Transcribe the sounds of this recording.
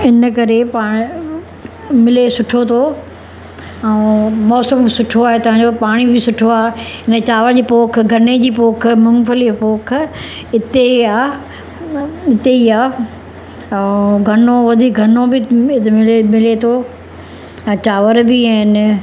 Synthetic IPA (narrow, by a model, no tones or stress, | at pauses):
ɪnəkɐɾepaːɽ̃ | mɪlesʊʈʰot̪ʰo | ɛmɔːsəmsʊʈʰoaːɦet̪ɐʋ̤ãːɲ̆d͡ʑopaːɽ̃ibɪsʊʈʰoaːɪnt͡ɕaːʋəɾd͡ʑiːpoːkʰɡʱɐned͡ʑiːpoːk̆ʰmʊ̃ŋɡfəlipoːkʰ | ɪt̪eaː | ɪt̪eiaː | ɡʱɐnoʋɐd̪ʱiːkɡʱɐnobɪɪmɪlet̪ʰo | t͡ɕaːʋəɾbɪãːɪn